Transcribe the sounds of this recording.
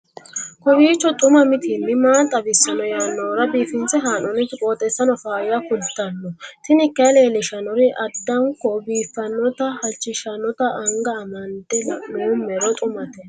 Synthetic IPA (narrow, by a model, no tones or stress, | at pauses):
kɔbiːt͡ʃːɔt̪ʼʊmɐmɪt̪ʰɪnːɪmaːnt̪ʼɐbɪsːɐnɔjaːnːɔːɾɐbiːfɪnt͡sɛɦaːnɔnɪt̪ɪkʼoːt̪ʼɛsːɐnɔfaːɾɪjɐkʊlt̪ːɐnːɔt̪ɪnɪkːɐleːlɪʃɐnɔɾɪʔɐd̪ːɐŋkɔbiːfːɐnːɔt̪ɐhɐt͡ʃːɪʃɐnɔt̪ɐɐŋɡɐːmɐnt̪ːɛlɐnʊʊmːɛɾɔt̪ʼʊmɐt̪ɛ